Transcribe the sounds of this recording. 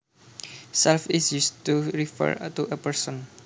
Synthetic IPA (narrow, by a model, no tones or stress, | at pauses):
sɛlfisjust̪uɾifə̰ɹ̰t̪uʔəpəɹsɔn